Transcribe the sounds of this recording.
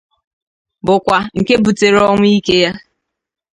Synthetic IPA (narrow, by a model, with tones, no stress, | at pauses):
bʊ˨kʷa˨ŋ̩˨ke˦bu˨te˨ɾɔ˦ŋʷ˦i˦ke˦ja˦